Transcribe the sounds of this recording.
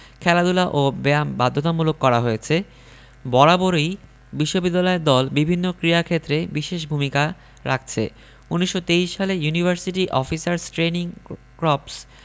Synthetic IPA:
kʰɛlad̪ulaʔobeambad̪ʱːot̪amulokːɔɾaɦojet͡ɕʰe | bɔɾabɔɾoj | biʃːobid̪ːalɔeɾd̪ɔlbibʱinːokɾiakʰet̪ːɾebiʃeʃ̬bʱumika | ɾa̰k̚t͡ɕʰḛ | uniʃːot̪eiʃʃːalejunibʱaɾsiʈiʔɔfisaɾsʈɾeniŋ | kɾɔps

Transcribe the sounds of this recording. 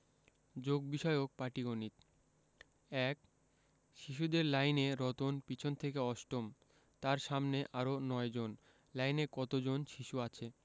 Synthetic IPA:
d͡ʑoɡ̚biʃɔeok̚paʈiɡonit̪ | ɛk | ʃiʃud̪eɾlajneɾɔt̪onpit͡ɕʰont̪ʰekeɔʃʈom | t̪aɾʃamneʔaɾonɔed͡ʑon | lajnekɔt̪od͡ʑonʃiʃuat͡ɕʰe

